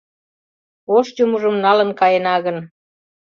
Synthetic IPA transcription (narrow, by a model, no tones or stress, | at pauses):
oʃt͡ɕomuʒəmnɑlə̆nkɑjenɑɣən